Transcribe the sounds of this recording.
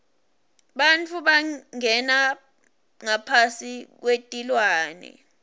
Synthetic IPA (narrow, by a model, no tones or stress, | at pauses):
ɓant͡fʰuɓaŋɛna | ŋapʰasik̬wetʼilwaːnɛ̰